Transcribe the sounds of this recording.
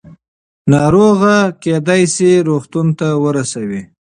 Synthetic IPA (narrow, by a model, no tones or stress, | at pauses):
nɑɾoɣaked̪ajsiɾoxt̪unt̪awəɾasawi